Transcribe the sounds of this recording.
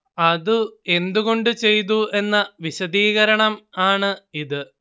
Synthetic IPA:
ɐðue̞nd̪uɣo̞ɳɖɨt͡ɕe̞jt̪̬uʔe̞nːɐʋiɕɐd̪iːɣɐɾɐɳɐmaːɳɨiðɨ

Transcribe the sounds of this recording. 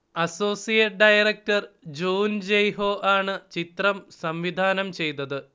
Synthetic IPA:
ɐso̞ːsijeʈ̚ɖɐjɐrɐk̚ʈɐrd͡ʑuːnd͡ʑejɦo̞ːʔaːɳɨt͡ɕit̪rɐmsɐmʋid̪ʱaːnɐmt͡ɕe̞jt̪ɐðɨ

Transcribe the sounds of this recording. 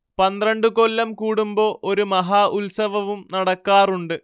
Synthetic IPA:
pɐnd̪rɐɳɖɨko̞lːɐmkuːɽumboːʔo̞ɾumɐɦaːʔulsɐʋɐʋumnɐɽɐkːaːruɳɖɨ

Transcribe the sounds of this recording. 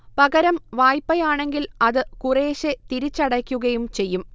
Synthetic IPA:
pɐɣɐɾɐmʋaːjpːɐjaːɳe̞ŋɡilɐðɨkureːɕet̪iɾit͡ɕːɐɽɐkʲːuɣɐjumt͡ɕe̞jːum

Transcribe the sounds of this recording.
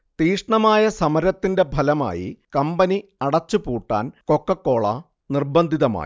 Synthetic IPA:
t̪iːʂɳɐmaːjɐsɐmɐɾɐt̪ːinde̞bʱɐlɐma̰ːjḭkɐmbɐniɐɽɐt͡ɕːupuːʈːa̰ːnko̞kːɐkːo̞ːɭɐ̰ | nirbɐnd̪ʱiðɐma̰ːi

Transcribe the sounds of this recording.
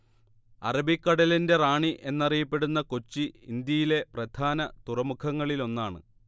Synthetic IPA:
ɐ̰rɐbikːɐɽɐlinde̞raːɳiʔe̞nːɐrijɐpːe̞ɽunːɐko̞t͡ɕːiind̪jɐjile̞prɐd̪ʱʰaːnɐt̪urɐmukʰɐŋːɐɭilo̞nːaːɳɨ̰

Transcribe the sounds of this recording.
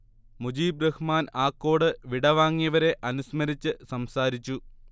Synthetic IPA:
mud͡ʑiːbrɐhmaːnaːkːo̞ːɽɨʋiɽɐʋaːŋːijɐʋɐɾe̞ʔɐnusmɐɾit͡ɕːɨsɐmsaːɾit͡ɕːu

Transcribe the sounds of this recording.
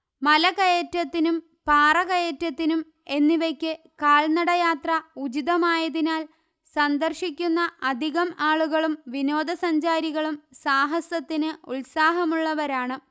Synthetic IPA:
mɐlɐkɐjetɾɐt̪ːinum | paːrɐɣɐjetːɾɐt̪ːinum | e̞nːiʋɐkʲːɨ | kaːɭnɐɽɐjaːt̪rɐud͡ʑiðɐmaːjɐðinaːl | sɐnd̪ɐrʂikʲːunːɐʔɐd̪ʱiɣɐmaːɭuɣɐɭumʋino̞ːd̪ɐsɐɲd͡ʑaːɾiɣɐɭumsaːɦɐsɐt̪ːinɨuɭsaːɦɐmuɭːɐʋɐɾaːɳɨ

